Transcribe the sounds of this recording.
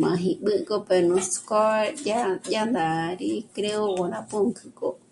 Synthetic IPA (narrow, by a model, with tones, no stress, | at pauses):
mã̰˨ɦĩ˧ʔɓɨ˦˧ko˦pe˧˨nũ˧skɔ˦aja˦nd̪a˨ɾi˦kɾe˦o˦wo˨na˧pũ˦ŋkʰɨ˧ko˨